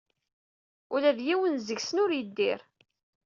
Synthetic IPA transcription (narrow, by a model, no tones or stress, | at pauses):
ʊlæðjiwənzəɡsənʊɾjəd̪ːɪɾ